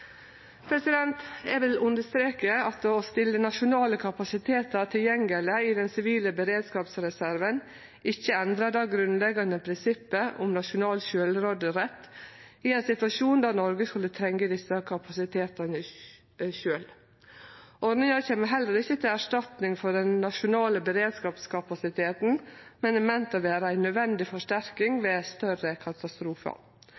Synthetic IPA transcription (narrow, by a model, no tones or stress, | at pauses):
pʰɾɛsɪd̪ɛnt̪ɛʋɪlʉnd̪əst̪ɾeːkəɑt̪ːst̪ɪlːənɑʃʊnɑːləkʰɑpɑsɪt̪ʰeːt̪ɑɾt̪ʰɪljɛŋɡələɪd̪ɛnsɪʋiːləbəɾeːd̪skɑːpsɾɛsæɾʋən | ɪçːəɛnd̪ɾɑd̪ɑːɡɾʉnlɛɡɑnd̪əpʰɾɪnsɪpːəʊmnɑʃʊnɑːlʃøːlɾoːd̪əɾɛt̪ː | ɪɛnsɪt̪ʋɑʂuːnd̪æɾnɔɾɡəskʉlːət̪ʰɾɛŋɡəd̪ɪsəkʰɑpɑsɪt̪ʰeːt̪ɑnə | ʃøːl | ʔɔɾnɪŋɑçeːməɦɛlːəɾɪçːət̪ʰɪlæʂtɑt̪nɪŋfɔɾɖɛnːɑʃʊnɑːləbəɾeːd̪skɑːpskʰɑpɑsɪt̪ʰeːt̪n̩mɛnɛmɛnt̪ɑʋeːɾəæɪnœd̪ʋɛnd̪ɪfɔʂʈæɾkɪŋʋeːst̪œɾəkʰɑt̪ɑst̪ɾuːfə̰